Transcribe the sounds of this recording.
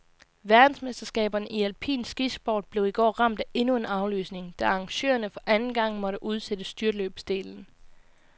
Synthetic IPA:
ʋæɐd̥n̩sme̝sd̥ɐsɡ̥ɛ̰ːb̥ɐnəʔiælpʰḭːnsɡ̥isb̥ɒ̰ːd̥̚b̥le̝ʊiɡ̥ɒ̰ːʁɑ̈m̰d̥æʔe̝nue̝nɑ̈ʊly̰ːsne̝ŋd̥æɑ̈ŋɕø̰ːɐnəfɒ̽ʔænn̩ɡ̥ɑ̈ŋ̰mɒ̽ɾəʔuð̞ˠsed̥əsd̥yɐløːb̥sd̥e̝̰ːln̩

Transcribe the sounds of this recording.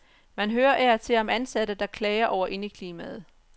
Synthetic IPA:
mænɦøːɐʔæɐt͡sʰe̝lɒ̽mænsæd̥əd̥ɑ̈kʰlɛːɪɐʔɒʊ̰ɐʔe̝nəkʰliːmæð̩ˠ

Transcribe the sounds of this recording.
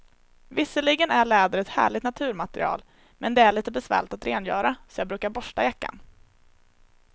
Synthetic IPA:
vɪsəɭɪɡənæɭɛːd̪əɾɛt̪hæ̰ːɭɪɡ̚t̪nat̪ʰʉ̟ːɾmat̪əɾɪ̰ɑ̰ːl | mɛnd̪ɛæɭiːt̪əbɛsvɛ̰ːɭɪt̪at̪ɾeːnjœ̰ːɾasɔjɑːɡbɾʉ̟ːkaɾbɔʂʈajakːa̰n

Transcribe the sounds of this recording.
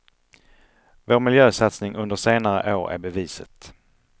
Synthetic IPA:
voːɾmɪljøːsat̪snɪŋʔɵnd̪əʂeːnaɾə̰ʔoːɾæ̰ɾbɛviːsət̪

